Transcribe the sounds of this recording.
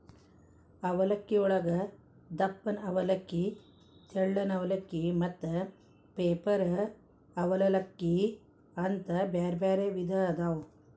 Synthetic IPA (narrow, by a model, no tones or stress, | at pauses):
ɐʋɐlɐkːiɔɭɐɡɐ | d̪ɐpːɐnɐʋɐlɐkːi | t̪ʰɛɭːɐnɐʋɐlɐkːimɐt̪ːɐ | peːpɐɾɐ | ɐʋɐlɐlɐkːi | ɐnt̪ɐbeːɾbeːɾeʋid̪ʱɐd̪aːw